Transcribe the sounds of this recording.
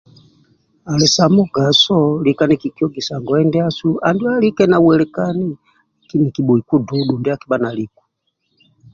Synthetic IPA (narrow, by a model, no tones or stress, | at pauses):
alɛsamuɡasɔlikanikikiɔɡisaŋɡɔɛndɛasuandialikɛnawɛlɛkani | lakinikiɓuikuduɗundiakiɓanalik̚ḁ